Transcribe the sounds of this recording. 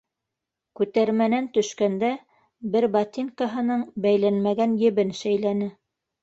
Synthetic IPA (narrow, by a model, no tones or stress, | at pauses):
kʉt̪æɾmænænt̪ɵ̆ʃkænd̪æ | bɘɾbɑt̪ʲiŋkɑɦɤ̆nɤɴbæjlænmæɡænjɘ̆βɘnʃæjlænɘ